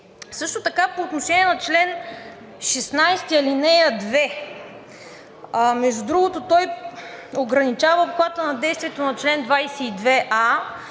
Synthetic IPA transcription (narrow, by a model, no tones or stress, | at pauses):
sɤʃt̪ot̪ɐkapoːt̪noʃɛniɛnɐt͡ʃlɛn | ʃɛsnajst̪iɐlinɛjəd̪vɛ | mɛʒd̪ud̪ɾuɡot̪ot̪ɔj | oɡɾɐnit͡ʃavəkwˠat̪ənɐd̪ɛjst̪viɛt̪onɐt͡ʃlɛnd̪vajsɛid̪vɛʔa